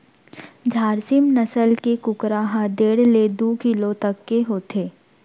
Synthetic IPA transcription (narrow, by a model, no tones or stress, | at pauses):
d͡ʒʱaːɾsɪmnɐsəlkekʊkɾaɦãd̪eːɽled̪uːkɪlõt̪ɐkːeɦoːt̪ʰeː